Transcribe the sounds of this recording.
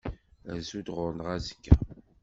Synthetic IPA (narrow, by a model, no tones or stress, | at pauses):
æzud̪ʁʊɾnəʁæzə̥kːæ̰